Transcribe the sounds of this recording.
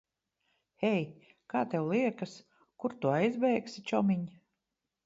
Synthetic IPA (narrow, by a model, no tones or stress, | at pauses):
hɛj | kaːt̪ɛwlˠiɛkas | kuɾt̪uajzbɛjksit͡ʃɔmiɲ